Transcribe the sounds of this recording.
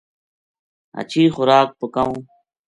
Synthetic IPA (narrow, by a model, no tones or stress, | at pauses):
ɐ̰t͡ɕʰiːxʊɾaːk̚pəkɐũː